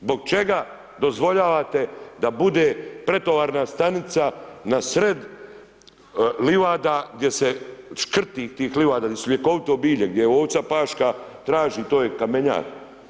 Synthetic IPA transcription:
zbo̞ɡ̚t͡ʃe̞ɡa | d̪o̞zʋo̞ʎaːʋat̪e̞d̪abud̪eːpɾe̞t̪oʋaːɾnast̪anit̪sanasɾe̞d̪ | liʋaːd̪aːɡd̪ʲje̞seʃkr̩t̪iːt̪iːxliʋaːd̪aɡd̪ʲjesuljekoʋit̪ɛobiːʎeɡ̚d̪jejoːʋt̪sapaːʃkat̪ɾaːʒiːt̪oːjekameɲa̰ːt̪

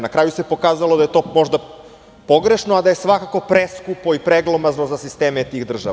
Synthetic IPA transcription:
nakɾaːjusepo̞kaːzalod̪ajet̪o̞ːmo̞ʒd̪a | po̞ɡɾe̞ʃnoad̪aje̞sʋakako̞pɾeskupo̞ipɾeɡlˠomaznozasist̪eːmet̪iɣd̪r̩ʒa̰

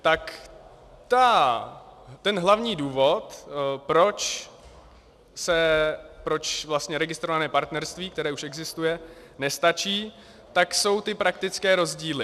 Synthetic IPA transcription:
t̪ak | t̪a | t̪ɛnɦlavɲiːduːvo̞t̪pɾo̞t͡ʃ | sɛpɾo̞t͡ʃvlast̪ɲɛɾɛɡɪst̪ɾo̞vanɛːpaɾt̪nɛɾst̪viːkt̪ɛɾɛːuʃɛɡzɪst̪ujɛ | nɛst̪at͡ʃiː | t̪akso̞wt̪ɪpɾak̚t̪ɪt͡skɛːɾo̞zɟiːlɪ

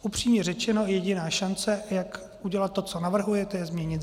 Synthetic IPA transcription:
upr̝̥iːmɲɛrɛt͡ʃɛno̞jɛɟɪnaːʃant͡sɛjak | uɟɛlat̪ːo̞t͡so̞navr̩ɦujɛt̪ɛjɛzmɲɛɲɪt̪

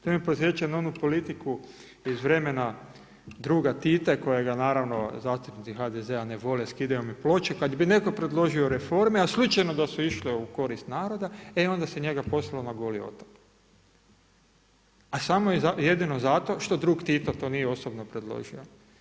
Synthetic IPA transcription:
t̪omeposʋet͡ʃenonupo̞lit̪iku | izʋɾe̞mena | d̪ɾuːɡat̪it̪eko̞jeɡanaːɾaʋno̞zaːst̪upnit̪ixad̪ezeaneʋo̞leskid̪ajomiplo̞t͡ʃekad̪bine̞ko̞pɾed̪lˠo̞ʒioɾefo̞ɾmeaslut͡ʃajno̞d̪asuiʃliuko̞ɾist̪naːɾo̞d̪aeo̞nd̪aseɲe̞ɡapo̞slˠalonaɡolio̞̰t̪ḁk | asamojezajed̪ino̞zat̪o̞ʃt̪o̞d̪ɾuːɡt̪it̪at̪o̞nijeo̞sobnopɾed̪lˠo̰ʒio

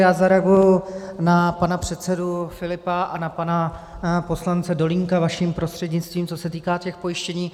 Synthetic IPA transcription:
jaːzaɾɛaɡujʊnapanapr̝̥ɛt̪t͡sɛdufɪlɪpaʔanapanapo̞slant͡sɛdo̞lɪŋkavaʃiːmpɾo̞st̪r̥ɛdɲɪt͡st̪viːmt͡so̞sɛt̪iːkaːcɛxpo̞jɪʃcɛɲiː

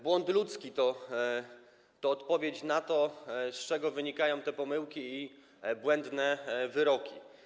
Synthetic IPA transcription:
bwɔnt̪lut̪skʲit̪ɔ | t̪ɔːt̪pɔvʲet͡ɕnat̪ɔst͡ʂɛɡɔvɘɲikajɔ̃w̃t̪ɛpɔmɘwkʲiː | bwɛnd̪nɛvɘɾɔkʲḭ

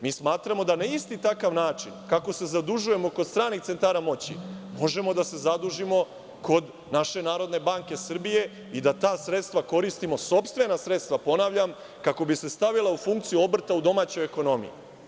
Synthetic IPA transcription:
miːsmaːt̪ɾamo̞d̪anaist̪it̪akaʋnaːt͡ʃinkako̞se̞zad̪uʒuje̞mo̞ko̞d̪st̪ɾaːnikt̪se̞nt̪aːɾamo̞t͡ɕḭmo̞ʒe̞mo̞d̪ase̞zad̪uʒimo̞ | ko̞d̪ | naʃe̞naːɾo̞d̪ne̞baŋke̞sr̩bije̞ | id̪at̪aːsɾe̞t̪st̪ʋako̞ɾist̪imo̞so̞pst̪ʋe̞nasɾe̞t̪st̪ʋapo̞naːʋʎam | kako̞bise̞st̪aʋilˠaufuŋkt̪sijuo̞br̩t̪aud̪o̞maːt͡ɕo̞jeko̞no̞mḭjḭ

